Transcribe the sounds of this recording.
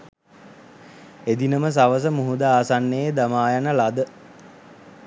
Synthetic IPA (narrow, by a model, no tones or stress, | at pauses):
ed̪inəməs̬aʋəs̬əmuɦud̪aaːsanːeed̪amaːjanəlad̪ə